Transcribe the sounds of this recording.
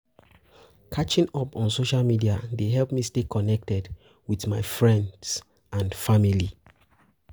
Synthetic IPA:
kʰat͡ʃĩŋɔpɔ̃nsoʃalˠmidiadeɦɛlˠpmistekʰɔnɛk̚tɛd | wiðmaɪfɹɛ̃nds | ãnfamili

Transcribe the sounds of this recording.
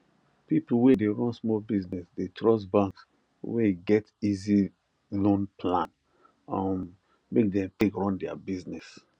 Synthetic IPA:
pipl̩wɛdeɹɔ̃nsmɔlbiznɛsdetʰɹɔs̬bãŋks | wɛɡɛtizi | lõnpʰlãn | ɔm | mek̚dɛ̃mtekɹɔ̃ndɛa̰biznɛs

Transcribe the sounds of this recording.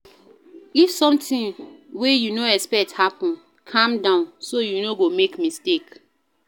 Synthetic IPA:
ifsɔ̃mtĩŋwejunoɛspɛk̚thapɔ̃n | kʰãmdãʊ̃nsojunoɡomekmistek

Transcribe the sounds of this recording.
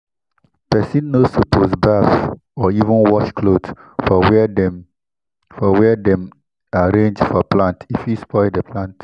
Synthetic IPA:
pɛsĩnːosopʰosbaf | ɔivə̃nwɔʃkʰlodɔ | fɔwɛdɛ̃m | aɹẽnd͡ʒfɔplãntifjispʰɔɪdəpʰlãnt

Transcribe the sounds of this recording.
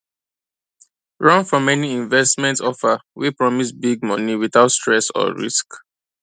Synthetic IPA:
ɹɔ̃nfɹɔ̃mɛniĩɱvɛstmɛ̃ntɔfawipɹɔmitbiɡ̚mɔ̃niwiθaʊtstɹɛsɔ̰ɹḭsk

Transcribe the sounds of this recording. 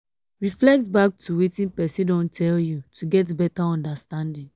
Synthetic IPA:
ɹiflɛk̚tbak̚tʰuwetĩnpɛsĩdõntʰɛljutʰuɡɛtbɛtaɔ̃ndastãndĩn

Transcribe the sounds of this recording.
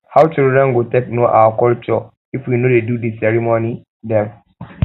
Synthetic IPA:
hawt͡ʃildɹɛ̃nɡutek̚noʔa̰wakɔlt͡ʃɔ | ifwinodedudisɛɹimoni | dɛm

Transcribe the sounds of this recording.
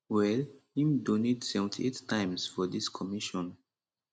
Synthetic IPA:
wɛlhĩmdonidsɛṽntʰḭettãɪ̃msfɔdiskʰɔmiʃɔ̃n

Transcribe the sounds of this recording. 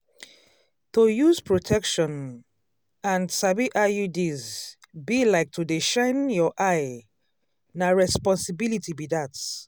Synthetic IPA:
tojuzpʰɹotʰɛkʃɔ̃n | ãnsabiʔajudiz | bilaɪk̚tʰudiʃãɪ̃njɔʔaɪ | naɹɛspɔ̃nsibilitʰibidat

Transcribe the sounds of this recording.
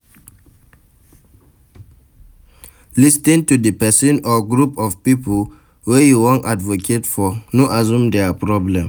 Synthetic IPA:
listĩŋtudəpɛsɔ̃nɔɡɾupɔvpipol | wejuwɔ̃ntadvokʰetfɔnoʔazũmdɛapɹɔblɛ̃m

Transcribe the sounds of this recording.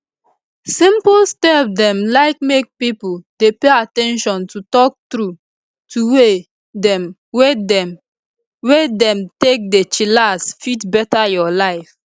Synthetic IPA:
sĩmplstɛp̚dɛ̃mlaɪk̚mek̚pipuldepeatɛ̃nʃɔ̃ntutɔk̚tɾu | tʰuwe | dɛm | wedɛm | wedɛ̃mtek̚det͡ʃilasfitbɛtajɔlaɪf

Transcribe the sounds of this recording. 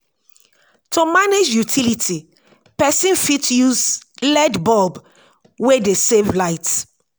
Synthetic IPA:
tumaned͡ʒjutʰilitʰi | pɛsĩnfitjuzlɛdbɔb | wedesevlaɪt

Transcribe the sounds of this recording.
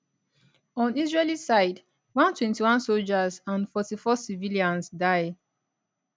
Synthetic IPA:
ɔ̃nizɹelisaɪd | wãntwɛ̃ntiwãnsold͡ʒazãnfɔtifɔsiviliãnsdaɪ

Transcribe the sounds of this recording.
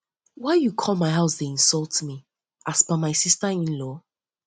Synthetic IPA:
waɪjukʰɔlˠmaɪɦaʊsðeĩnsɔlˠtmi | ʔasbamaɪsistəĩnlɔ

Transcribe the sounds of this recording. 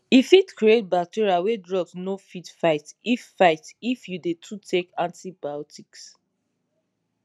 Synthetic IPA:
ifitkʰɹiet̚bak̚tiɹiawedɹɔɡsnofitfaɪtiffaɪtifjudetʰutʰekãntibajɔtiks

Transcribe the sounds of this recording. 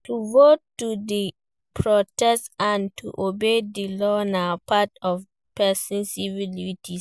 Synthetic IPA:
tʰuvotːudi | pʰɹɔtʰɛstãntʰuʔobedilɔnãpʰatɔf | pʰɛsɪ̃nsivilitʰi

